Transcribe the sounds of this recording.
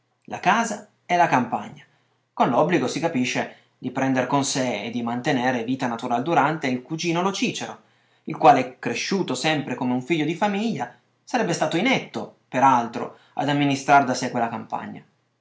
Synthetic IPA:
la̰kaːza | ɛlakampaɲːa | konlɔbliɡosikapiʃːe | d̪ipɾɛnd̪eɾkonseḛd̪ːimant̪eneːɾeviːt̪anat̪uɾaled̪uɾant̪eilkud͡ʒiːnolot͡ʃiːt͡ʃeɾo | ilkwaːleɛkːɾeʃːuːt̪osɛmpɾekomeuɱfiʎːod̪ifamiʎːa | saɾɛbːest̪aːt̪oinɛt̪ːopeɾalt̪ɾo̰ | a̰d̪amːinist̪ɾard̪asekːwelːakampa̰ɲːa̰

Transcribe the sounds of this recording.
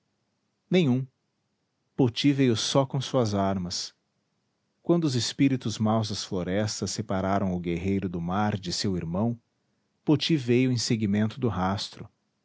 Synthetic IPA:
nẽj̃ũ | pot͡ʃivejʊsɔkõsuɐzaɾmɐs | kwɐ̃nd̪ʊʊzespiɾit̪ʊzmawzd̪ɐsfloɾɛst̪ɐsːepaɾaɾɐ̃w̃ʊɡeɦejɾʊd̪ʊmaɾd͡ʒɪsewiɾmɐ̃w̃ | pot͡ʃivejʊĩseɡimẽnt̪ʊd̪ʊɦast̪ɾʊ

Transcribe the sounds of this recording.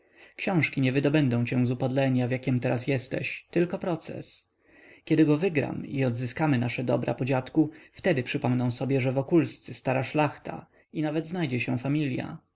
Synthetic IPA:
kɕɔ̃w̃ʂkʲiɲɛvɘd̪ɔbɛnd̪ɔ̃w̃t͡ɕɛ̃zupad̪lɛɲavʲjakʲɛmt̪ɛɾas̬jɛst̪ɛ̰ɕt̪ɘlkɔpɾɔt̪sɛ̰s | kʲjɛd̪ɘɡɔvɘɡɾa̰miɔd̪zɘskamɘnaʂɛd̪ɔ̰bɾa̰pɔd͡ʑat̪kuft̪ɛd̪ɘpʂɘpɔmnɔ̃w̃sɔbʲjɛʐɛvɔkulst̪sɘst̪aɾaʂlaxt̪a̰ | inavɛd̪znajd͡ʑɛɕɛw̃famʲilʲja̰

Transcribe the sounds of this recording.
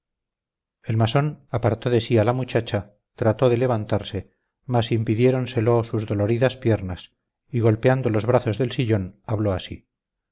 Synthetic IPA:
e̞lmaso̞napaɾt̪o̞ðe̞sialamut͡ʃat͡ʃa | t̪ɾat̪o̞ðe̞le̞βant̪aɾse̞ | masimpiðje̞ɾo̞nse̞losuzðo̞lo̞ɾiðaspje̞ɾnas | iɣo̞lpeand̪o̞lo̞zβɾaθo̞zðe̞lsiʎo̞naβloasi

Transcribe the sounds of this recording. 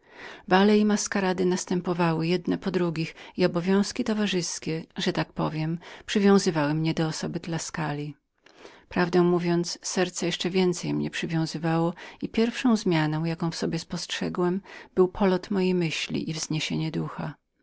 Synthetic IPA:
balɛimaskaɾad̪ɘnast̪ɛmpɔvawɘjɛd̪nɛpɔd̪ɾuɡʲixiɔbɔvʲjɔ̃w̃skʲit̪ɔvaʐɘskʲɛʐɛt̪ak̚pɔvʲjɛmpʂɘvʲjɔ̃w̃zɘvawɘmɲɛd̪ɔːsɔbɘd̪laskalʲi | pɾavd̪ɛ̃w̃muvʲjɔnt̪sːɛɾt̪sɛjɛʂt͡ʂɛvʲjɛnt̪sɛjmɲɛ̰pʂɘvʲjɔ̃w̃zɘvawɔipʲjɛɾfʂɔ̃w̃zmʲjanɔ̃w̃jakɔ̃w̃fsɔbʲjɛspɔstʂɛɡwɛmb̥ɘwpʰɔlɔt̪mɔjejmɘɕlʲḭʔivz̥ɲeɕeɲɛd̪uxa̰

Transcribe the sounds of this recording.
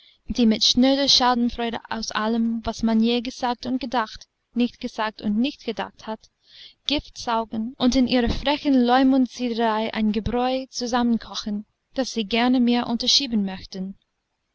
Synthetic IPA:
d̥iːmɪtʃnøːdɐʃaːdn̩fʁɔʏɾə̰ʔa̰ʊsʔa̰ləmvasmanjeːɡəz̥aːk̚tʊntɡ̥ədaxt | nɪçtɡ̥əz̥aːk̚tʊntnɪçt̚ɡ̥əda̰xthat | ɡ̥ɪftz̥aʊɡn̩ʔʊntɪnʔiːʁɐfʁɛçən̩lɔʏmʊntt͡siːdəəʁaɪʔã̰ɪnɡəbʁɔʏt͡suzamənkʰɔxən̩ | d̥asz̥iːɡɛɐnəmeːɐʔʊntɐʃiːbən̩mœçtən̩

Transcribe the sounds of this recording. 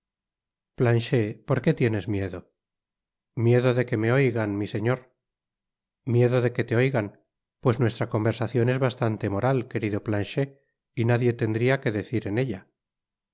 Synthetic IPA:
planʃe̞po̞ɾke̞t̪je̞ne̞zmje̞ðo̞ | mje̞ðo̞ðe̞ke̞meo̞jɣanmise̞ɲoɾ | mje̞ðoðe̞ke̞t̪e̞o̞jɣan | pwe̞sznwe̞st̪ɾako̞mbe̞ɾsaθjo̞ne̞zβast̪ant̪e̞mo̞ɾalke̞ɾiðo̞planʃe̞ | inaðje̞t̪e̞nd̪ɾiake̞ðe̞θiɾe̞ne̞ʎa

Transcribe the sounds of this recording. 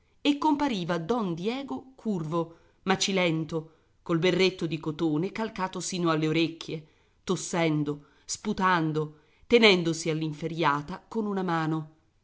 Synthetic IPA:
ekːompaɾiːvad̪ɔnd̪jɛːɡokʰurvo | mat͡ʃilɛnt̪o | kolberːet̪ːod̪ikot̪oːnekalkaːt̪osiːnoalːeoɾekːje | t̪osːɛnd̪o | sput̪and̪o | t̪enɛnd̪osialːiɱfeɾjaːt̪akonunamaːno

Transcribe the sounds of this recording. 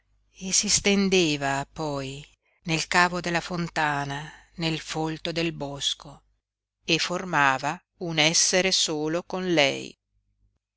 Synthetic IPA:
esist̪end̪eːvapɔj | nelkaːvod̪elːafont̪aːna | nelfolt̪od̪elbɔsko | eformaːva | unɛsːeɾesoːlokonlɛ̰j

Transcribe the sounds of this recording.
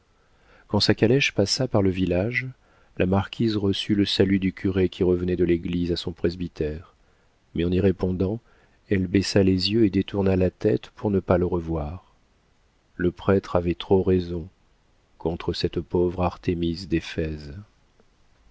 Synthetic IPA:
kɑ̃sakalɛʃpasapaʁləvilaʒ | lʔamaʁkʲizʁəsyləsalyd̪ykʲʰyʁekʲiʁəvənɛd̪əleɡlizasɔ̃pχezbit̪ɛʁ | mɛɑ̃niʁepɔ̃d̪ɑ̃ | ɛlbɛsalezjøed̪et̪uʁnalat̪ɛt̪pʰuʁnəpaləʁəvwaʁ | ləpχɛt̪χavɛt̪χoʁezɔ̃ | kɔ̃t̪χəsɛt̪povʁaʁt̪emisd̪efɛz

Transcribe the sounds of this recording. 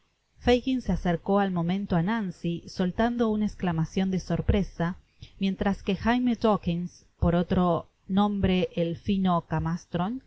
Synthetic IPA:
fejɣinseaseɾko̞almõ̞mẽ̞nt̪oanansiso̞lt̪and̪o̞unaesklamasjo̞nd̪eso̞ɾpɾe̞sa | mje̞nt̪ɾaske̞xajmet̪okins | po̞ɾo̞t̪ɾo̞ | nõ̞mbɾe̞ʔːlfino̞kamast̪ɾon

